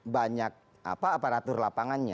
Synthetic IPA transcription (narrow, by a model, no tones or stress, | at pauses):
baɲak̚ | a̰paːpaɾat̪ʊrlapaŋanɲa